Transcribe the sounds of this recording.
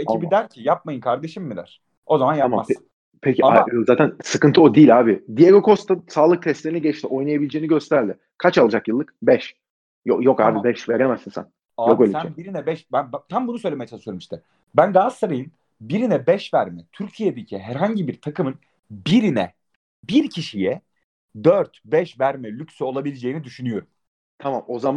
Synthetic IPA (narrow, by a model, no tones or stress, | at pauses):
eibid̪æɾcʰijap̚majɯnkʰaɾd̪e̞ʃimːid̪æ̰ɾ̥ | o̞zamanjammas | pʰecʰiazaːt̪ʰænsɯkɯnt̪ʰɯod̪iːlʲaːbɪd̪ijeɡokʰo̞st̪ʰasaːlˠɯk̚t̪ʰɛst̪ʲeɾiniɟɛt͡ʃt̪ʰiʔo̞jnˠajabilʲed͡ʒeːiniɟø̞st̪ʰæɾd̪ɪ | kʰat͡ʃalˠad͡ʒakjɯlˠːɯk̚bɛʃ | jojokaːbibɛʃveɾemæzinsæ̰n | aokːlʲisæɛnbiɾinɛbɛʃbænbt̪ʰambunusø̞jlʲemejt͡ʃʰɛnsølʲemiʃt̪ʰɛ | bænɡazssaɾajɯn | biɾinɛbɛʃvæɾmɛt̪ʰyɾcʰijed̪ecʰiɦæɾɦaɲɟibiɾt̪ʰakʰɯmɯn | biɾinɛ̰ | biɾcʰiʃijɛ | d̪øɾt̪bɛʃvæɾmɛlʲycsɛo̞lˠabilʲed͡ʒe̞jinid̪yʃynyjo̞ɾum | t̪ʰamamo̞zam